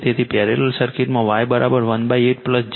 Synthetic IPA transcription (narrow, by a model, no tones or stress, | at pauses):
t̪jet̪ʰipɛɾeləlsəɾkiʈməʋajbəɾʔabəɾʋənbajeʈ̚pləsd͡ʒ